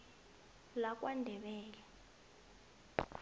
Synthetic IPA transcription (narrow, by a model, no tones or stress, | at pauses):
lak̬ʼwandʱɛɓɛːlɛ